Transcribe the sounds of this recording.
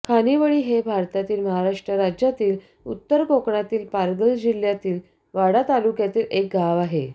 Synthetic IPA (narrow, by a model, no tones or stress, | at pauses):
kʰaniʋəɭiːɦebʱaɾt̪at̪iːlməɦaɾaʂʈɾəɾad͡ʑjat̪iːl | ut̪ːəɾkokɳat̪iːlpaɾɡəld͡ʑiljat̪iːl | ʋaɽat̪alukjat̪iːlek̚ɡaʋaɦe